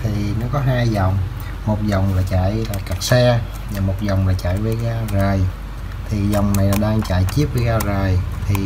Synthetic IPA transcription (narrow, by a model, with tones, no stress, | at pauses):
t̪ʰi˨˩nɔ˨˦kɔ˨˦ɦaː˧jzɔ˨˩wŋ͡m | mo˨˩t̚zɔ˨˩wŋ͡mlaː˨˩t͡ɕa̰ː˧˨jlaː˨˩ka˨˩t̚sɛ˧ | ɲaː˨˩mo˨˩t̚zɔ˨˩wŋ͡mlaː˨˩t͡ɕa̰ː˧˨jvəː˨˦jɣaː˧zaː˨˩j | t̪ʰi˨˩zɔ˨˩wŋ͡mna˨˩jlaː˨˩ɗaː˧ŋt͡ɕa̰ː˧˨jt͡ɕi˦˥əp̚vəː˨˦jɣaː˧zaː˨˩jt̪ʰi˨˩